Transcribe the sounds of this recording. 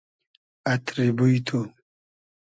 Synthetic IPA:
at̪ɾibuit̪ʰo

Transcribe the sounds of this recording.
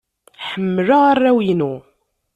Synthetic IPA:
ħəmːlaʁarːæwinu

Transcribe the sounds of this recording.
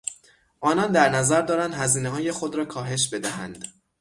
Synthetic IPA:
ʔɒːnɒnd̪æɾnæzæɾd̪ɒːɾænd̪hæziːneɦɒːje̞xo̞d̪ɾɒːkʰɒːɦe̞ʃ̬be̞d̪æɦæ̰nd̪̥

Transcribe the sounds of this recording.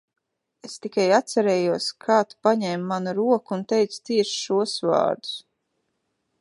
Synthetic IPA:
est̪ikajat̪saɾɛːjuɔskʰaːt̪u̥paɲɛːmːanuɾuɔkunt̪ɛjt̪su̥t̪siɛʃʃuɔsva̰ːɾd̪u̥s

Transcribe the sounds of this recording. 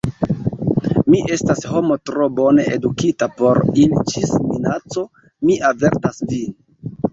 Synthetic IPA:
miʔe̞stasho̞mo̞tɾo̞bo̞ne̞ʔedukitapo̞ɾilit͡ʃisminat͡so̞ | miave̞ɾtasvin

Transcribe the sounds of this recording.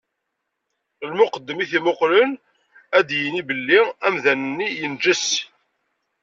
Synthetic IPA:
lmʊqəd̪ːəmiθimʊqlən | æd̪jənibəlːiæmðænənːijənd͡ʒəs

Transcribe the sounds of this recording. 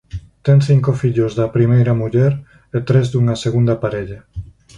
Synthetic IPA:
t̪eŋθiŋkofiʎʊzðɐpɾimejɾɐmuʎɛɾ | et̪ɾezd̪uŋɐseɣund̪ɐpaɾeʎɐ

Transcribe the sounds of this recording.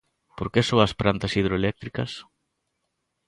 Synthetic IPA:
poɾkesoɐspɾant̪ɐsið̞ɾoelɛk̚t̪ɾikɐs

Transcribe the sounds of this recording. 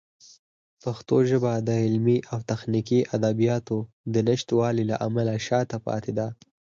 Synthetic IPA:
paxt̪oʒəbad̪əɪlmiʔawt̪axnikiʔad̪abijɑt̪o | d̪ənɪʃt̪wɑlila̰ʔamalaʃɑt̪apɑ̰t̪ed̪a

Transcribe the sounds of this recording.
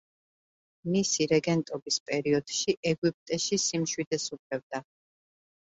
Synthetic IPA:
misiɾɛɡɛnt̪ʼɔbispʼɛɾiɔd̪̥ʃiʔɛɡwipʼt̪ʼɛʃisimʃwid̪ɛsupʰlɛv̚d̪a

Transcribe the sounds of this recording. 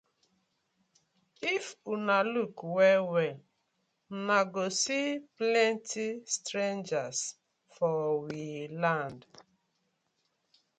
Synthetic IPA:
ifunalukwɛwɛl̩ | naɡosiplɛntistɾend͡ʒas | fɔwilãnd

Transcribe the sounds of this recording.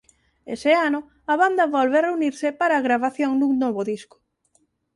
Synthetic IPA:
ḛsɪanʊ | aβand̪ɐβɔlβereuniɾsɪpaɾaːɣɾaβaθjoŋnuŋnoβʊðiskʊ̥

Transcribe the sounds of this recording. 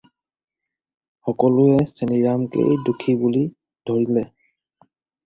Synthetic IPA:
xɔkɔlʊɛseniɹamkḛjdukʰibuli | dʱoɹilɛ

